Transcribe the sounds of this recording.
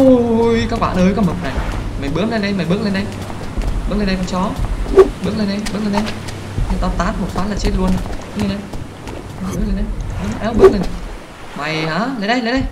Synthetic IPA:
jkaː˦˥k̚ɓa̰ː˧˨ʔəː˨˦jkɔ˨˧˦mɨ˨˩k̚na˨˩jma˨˩jɓɨ˦˥ək̚le˧nɗe˧jma˨˩jɓɨ˦˥ək̚le˧nɗə˧j | ɨ˦˥kle˧nɗkɔ˧˦ŋ͡mt͡ɕɔ˨˦ɓɨ˦˥ək̚le˧nɗə˧jɓɨ˦˥ək̚le˧nɗə˧j | ɲɨ˧˩t̪ɔ˨˦t̪aː˨˦˥tmo˨˩t̚faː˨˦nlaː˨˩t͡ɕe˦˥t̚lu˧ənɨ˧˥k̚le˧nɗə˧j | a˨˩ɓɨ˦˥k̚le˧nɗə˧jha˨˦ʔɛ˨˦wɓɨ˦˥ək̚le˧˩n˨˩ | ma˨˩jhaː˨˦lə˨˦ɗə˧˦jlɗə˧j

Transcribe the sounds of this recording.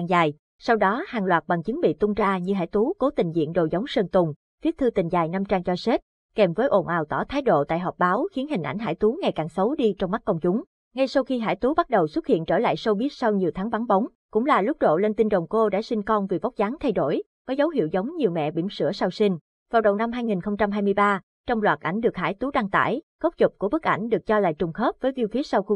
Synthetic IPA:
zaː˨˩j | sa˧wɗɔ˨˦haː˨˩ŋlwaː˨˩t̚ɓa˨˩ŋt͡ɕɨ˨˦ŋɓḭ˧˨t̪ʊ˧ŋ͡mt͡ɕaː˧ɲɨ˧ɦa̰ː˧˩jt̪u˨˦ko˨˦t̪ï˨˩ŋ̟zḭ˧˨ənɗo̰˨˩zə˨˦wŋ͡msəː˧˩nt̪ʊ˨˩ŋ͡m | fi˦˥ət̚t̪ʰɨ˧t̪ï˨˩ŋzaː˨˩jna˧mt͡ɕaː˧ŋt͡ɕɔ˧se˦˥t̚ | kɛ˨˩mvəː˨˦jʔo˨˩nʔaː˨˩wt̪ɔ˧˩t̪ʰaː˨˦jɗo̰˧˨t̪a̰ː˧˨jɦɔ˨˩p̚ɓaː˨˦wxi˨˦ənhï˨˩ŋʔa˧˩jŋ̟ɦa̰ː˧˩jt̪u˨˦ŋa˨˩jkaː˨˩ŋsə˨˦wɗi˧t͡ɕɔ˧wŋ͡mma˦˥k̚kə˧ŋ͡mt͡ɕʊ˨˦ŋ͡m | ŋa˧jsa˧wxi˧ɦa̰ː˧˩jt̪u˨˦ɓa˦˥t̚ɗə˨˩wswə˦˥t̚hḭ˧˨nt͡ɕəː˧˩la̰ː˧˨jsə˧wɓi˦˥ət̚sa˧wɲi˨˩əwt̪ʰaː˨˦ŋɓa˨˦ŋɓa˨˦wŋ͡m | kʊ̰˧˥ŋ͡mlaː˨˩lʊ˦˥k͡p̚ɗo̰˧˨le˧nt̪i˧nɗə˨˩wŋ͡mko˧ɗa̰ː˧˥sï˧ŋ̟kɔ˧nvi˨˩va˦˥wk͡p̚zaː˨˦ŋt̪ʰa˧jɗo˧˩j | kəɔː˨˦zə˨˦whḭ˧˨əwzə˨˦wŋ͡mɲi˨˩əwmɛ̰˧˨ɓḭ˧˩msɨ̰˧˩əsa˧wsi˧ŋ̟ | vaː˨˩wɗə˨˩wna˧mhɦaː˧jŋi˨˩nxə˧wŋ͡mt͡ɕa˧mɦaː˧jmɨ˧əjɓaː˧ | t͡ɕɔ˧wŋ͡mlwaː˨˩t̚ʔa˧˩jŋ̟ɗɨ˨˩ək̚haː˧˩jt̪u˨˦ɗa˧ŋt̪a̰ː˧˩j | ɣə˦˥k͡p̚t͡ɕʊ˨˩k͡p̚ku˧˩əɓɨ˦˥k̚ʔa˧˩jŋ̟ɗɨ˨˩ək̚t͡ɕɔ˧la̰ː˧˨jt͡ɕʊ˨˩ŋ͡mxəː˦˥p̚vəː˨˦jvi˧wfi˦˥ət̚sa˧wxu˧

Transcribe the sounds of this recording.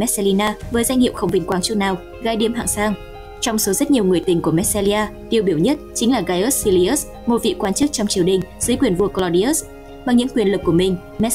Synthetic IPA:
ɛ˦˥t̚se˧li˧naː˧vəː˨˦jza˧ŋ̟ŋḭ˧˨əwxə˧wŋ͡mvï˨˩ŋ̟kwaː˨˦ŋt͡ɕu˦naː˨˩w | ɣaː˨˦jɗi˨˦əmɦa̰ː˧˨ŋsaː˧ŋ | t͡ɕɔ˧wŋ͡mso˨˦zə˦˥t̚ɲi˨˩əwŋɨ˨˩əjt̪ï˨˩ŋ̟ku˧˩əmɛ˦˥t̚se˧li˧ʔaː˧ | ɗ̪i˨˩əwɓi˧˩əwɲə˦˥t̚t͡ɕï˨˦ŋ̟laː˨˩ɣaː˧jʔə˦˥t̚si˧li˧ʔə˦˥s | mo˨˩t̚vḭ˧˨kwaː˧nt͡ɕɨ˦˥k̚t͡ɕɔ˧wŋ͡mt͡ɕi˨˩əwɗï˨˩ŋ̟zɨː˨˦jkwi˨˩ənvu˧əklɔ˧wɗi˧ʔə˦˥s | ma˨˩ŋɲɨ̰˧˥ŋkwi˨˩ənlɨ˨˩kːu˧˩əmï˨˩ŋ̟ | mɛ˦˥

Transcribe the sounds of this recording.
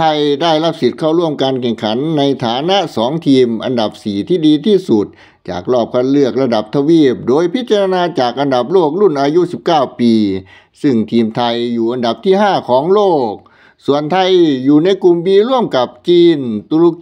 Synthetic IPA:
t̪ʰa˧jdaː˥˩jla˦˧˥p̚si˨˦t̪̚kʰa˥˩wɾu˧˥˩əmkaː˧nkʰɛ˨˩ŋkʰa˨˩˦nːa˧jt̪ʰaː˨˩˦na˧˥sɔː˩˦ŋt̪ʰiː˧mʔa̰˧nda˨˩p̚siː˨˩t̪ʰiː˥˩diː˧t̪ʰiː˥˩su˨˩t̪̚ | t͡ɕa̰ː˨˩k̚lɔː˥˩p̚kʰa˧˥˨nlɯ˥˩ək̚la˧da˨˩p̚t̪ʰa˧wiː˥˩p̚doː˧jpʰi˦˥t̪̚t͡ɕa˧ɾa˧naː˧t͡ɕaː˨˩k̚ʔa˧nda˨˩p̚loː˥˩k̚lu˥˩nʔaː˧ju˦˥˨si˨˩p̚kaː˥˩wpiː˧ | sɯ˧˥˩ŋt̪ʰiː˧mt̪ʰa˧jːuː˨˩ʔa˧nda˨˩p̚t̪ʰiː˥˩ɦaː˥˩kʰɔː˨˦ŋloː˥˩k̚ | su˨˩ənt̪ʰa˧jːuː˨˩na˧˥jku˧˩mbiː˧lu˥˩əmka˨˩p̚t͡ɕiː˧˩nt̪u˧lu˧

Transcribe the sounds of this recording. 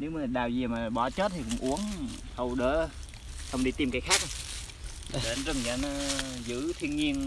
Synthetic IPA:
ne˨˦wmaː˨˩ɗaː˨˩wzi˨˩əmaː˨˩ɓɔ˧˩t͡ɕo˦˥t̚t̪ʰi˨˩kʊ̰˧˥ŋ͡mʔu˨˦əŋ | hə˨˩wɗəː˧˩˦ | hə˧wŋ͡mɗi˧t̪i˧mkaː˨˦jxaː˦˥k̚wŋ͡m | ɗe˨˦nzə˨˧˩mza̰ː˨˧˦nɔ˨˦zɨ̰˧˥t̪ʰi˧ənɲi˧ən

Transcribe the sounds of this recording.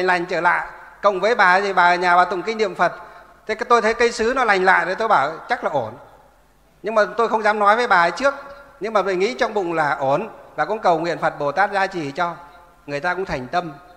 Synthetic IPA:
ŋ̟la˨˩jŋ̟t͡ɕəː˧˩la̰ː˧˨jkə̰˧˨wŋ͡mvəː˨˦jɓaː˨˩˨zi˨˩ɓaː˨˩˧ɲaː˨˩ɓaː˨˩t̪ʊ̰˧˨ŋ͡mki˧ŋ̟nḭ˧˨əmfə˨˩t̚t̪ʰe˨˦t̪o˧jt̪ʰə˨˦jkə˧jsɨ˨˦nɔ˨˦la˨˩jŋ̟la̰ː˧˨jzə˨˩t̪o˧jɓaː˧˩wt͡ɕa˦˥laː˨˩ʔo˧˩n | ɲɨ˧ŋmaː˨˩t̪o˧jxə˧wŋ͡mzaː˨˦mnɔ˨˦jvəː˨˦jɓaː˨˩ə˨˦jt͡ɕɨ˦˥ək̚ɲɨ˧ŋmaː˨˩t̪o˧jŋḭ˧˥t͡ɕɔ˧wŋ͡mɓʊ̰˧˨ŋ͡mlaː˨˩ʔo˧˩nvaː˨˩kʊ̰˧˥nkə˨˩wŋwḭ˧˨ənfə˨˩t̚ɓo˧˩t̪aː˦˥t̚zaː˧t͡ɕi˨˩t͡ɕɔ˧ | ŋɨ˨˩əjt̪aː˧kʊ̰˧˥ŋ͡mt̪ʰa˨˩jŋ̟t̪ə˧m

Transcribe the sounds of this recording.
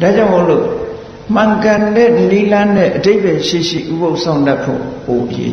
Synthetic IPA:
d̥a˦˨d͡ʑã˦ʊ̃mo˦˨lo̰˦˨ | m̥ã˨ŋkã˨ndɛ˦˨ʔli˦lã˦nɛ̰̃˦˨ʔəde˦ɪb̥ɛ˨ʃe˦˨ʃḭ˦˨ʔu˦bo˦ʊʔsʰã˦˨ʊ̃nta˦pʰːo̰˦˨po˨ʔəjḛ˦

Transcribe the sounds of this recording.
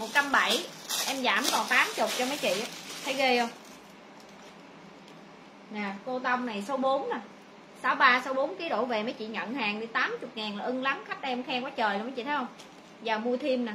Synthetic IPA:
mo˨˩t̚t͡ɕa˧mɓa˧˩jʔɛ˧mzaː˧˩mkɔ˨˩nt̪aː˨˦mt͡ɕʊ˨˩k͡p̚t͡ɕɔ˧ma˨˦jt͡ɕḭ˧˨ʔaː˨˦t̪ʰə˨˦jɣe˧hə˧wŋ͡m | naː˨˩ko˧t̪ə˧wŋ͡mna˨˩jso˨˦ɓo˨˦na˨˩ | saː˨˦wɓaː˧so˨˦ɓo˨˦nki˨˦ɗo̰˧˩ve˨˩mə˨˦jt͡ɕḭ˧˨ɲə̰˧˨nhaː˨˩ŋɗi˧˦t̪aː˨˦mt͡ɕʊ˨˩k͡p̚ŋaː˨˩nlaː˨˩ʔɨ˧ŋla˨˦mxa˦˥k̟̚ʔɛ˧mxɛ˧mkɔ˨˦t͡ɕəː˨˩jlːma˨˦jt͡ɕḭ˧˨t̪ʰə˨˦jhə˧wŋ͡m | zaː˨˩wmu˧ət̪ʰi˧əmnaː˨˩

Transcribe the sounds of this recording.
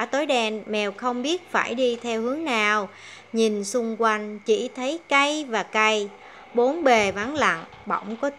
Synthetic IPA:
t̪o˨˦jɗɛ˧nmɛ˨˩wxə˧wŋ͡mɓi˦˥ət̚faː˧˩jɗi˧t̪ʰɛ˧whɨ˨˦əŋnaː˨˩w | ɲi˨˩nsʊ˧ŋ͡mkwa˧jŋ̟t͡ɕi˧˩t̪ʰə˨˦jka˧jvaː˨˩ka˧j | ɓo˨˦nɓe˨˩va˨˦ŋla̰˧˨ŋ | ɓɔ̰˧˩wŋ͡mkɔ˨˦t̪

